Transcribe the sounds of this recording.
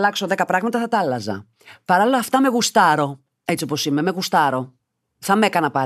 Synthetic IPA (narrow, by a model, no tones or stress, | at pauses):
lɐkso̞ðe̞kɐpɾɐɣmɐt̪ɐθɐt̪ɐlɐzɐ̰ | pɐɾɐlilɐːft̪ɐme̞ɣust̪ɐɾo̞ | e̞t͡sio̞po̞sime̞meɣust̪ɐɾo̞ | θɐme̞kɐnɐpɐ